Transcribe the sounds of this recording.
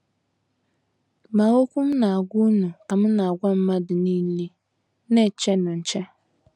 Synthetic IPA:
ma˨ŋo˦kʷu˦m̩˦na˨a˨ɡʷʊ˦nu˨ka˨mʊ˦na˨a˨ɡʷa˦m̩˦ma˦dɪ˨ni˦n˦li˦ | ne˦˨t͡ʃɛ˦nʊ̃˨n̩˨t͡ʃɛ˦

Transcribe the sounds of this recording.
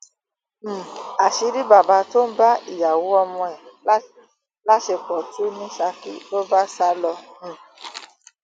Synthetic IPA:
a˨ʃi˧˦ɾi˦ba˨ba˧to˦n̩˦ba˦i˦˨ja˨wo˨˦ɔ˧mɔ̃˧ɛ˨˦ | la˦ʃe˧k͡pɔ˨tu˦nĩ˦ʃa˧kḭ˨to˦ba˦sa˦lɔ˧m̩̃˨

